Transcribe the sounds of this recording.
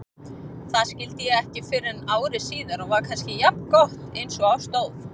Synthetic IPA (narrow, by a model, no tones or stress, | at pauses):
θaðscɪlt̪ɪjɛɣɛhcɪfɪɾɪnaːwɾɪsiːðʏɾɔɣvaɾkʰanscɪjap̚nkɔht̪ejnsɔɣawst̪oːwθ